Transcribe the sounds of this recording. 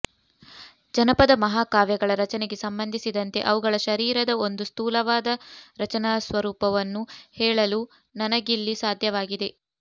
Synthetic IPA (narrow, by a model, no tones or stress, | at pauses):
d͡ʒɐnɐpɐd̪ɐmɐɦaːkaːʋjɐɡɐɭɐɾɐt͡ʃɐneɡe̞sɐmbɐnd̪ʱisid̪ɐnt̪e̞̰ʔɐʋuɡɐɭɐʃɐɾiːɾɐd̪ɐo̞nd̪ust̪uːlɐʋaːd̪ɐɾɐt͡ʃɐnaːsʋɐɾuːpɐʋɐnːuhɛːɭɐlu | nɐnɐɡilːisaːd̪ʱjɐʋaːɡid̪e̞